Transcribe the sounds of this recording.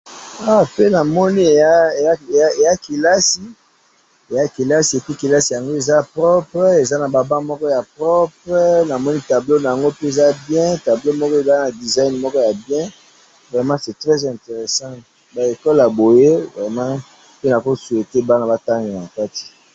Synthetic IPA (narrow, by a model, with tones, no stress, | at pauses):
a˨pe˦na˨mɔ˦ni˦e˨ja˦e˨a˦e˨a˦e˨ja˦ki˨la˦si˨ | e˨ja˦ki˨la˦si˨e˨pi˦ki˨la˦si˨ja˨ŋɡo˦e˨za˦pʁɔ˦pʁe˨za˦na˨ba˨bã˦mɔ˦kɔ˦ja˨pʁɔ˦pʁna˨mɔ˦ni˦ta˨blo˦na˨ja˨ŋɡo˦pe˦e˨za˦bjɛ̃˦ta˨blo˦mɔ˦kɔ˦e˨za˦na˨di˨za˦in˨mɔ˦kɔ˦ja˨bjɛ̃˦ | vʁɛ˨mɑ̃˦sɛ˨tʁɛ˦zɛ̃˨te˨ʁe˨sɑ̃˦ | ba˨e˨kɔ˦lja˨bo˨je˦vʁɛ˨mɑ̃˦ | pe˦na˨ko˦su˨e˨te˦ba˦na˦ba˦ta˦ŋɡna˨ka˦ti̥˨